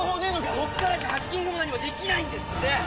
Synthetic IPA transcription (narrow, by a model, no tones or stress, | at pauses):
ɦonenoɡakokːaɾat̪ehakʲːehoːd̪aɲimad̪e̞kʲinaĩnd̪e̞sɨ̥t̪ːe